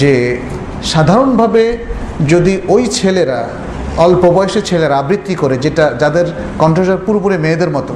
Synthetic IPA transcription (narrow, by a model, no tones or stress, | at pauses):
d͡ʑe | ʃad̪ʱaɾonbʱabe | d͡ʑod̪iʔojt͡ɕʰeleɾa | ɔlpobɔeʃet͡ɕʰeleɾaabɾit̪ːikoɾed͡ʑeʈad͡ʑad̪eɾ | kɔɳʈɾod͡ʑaɾpuɾpuɾemeːd̪eɾmɔt̪o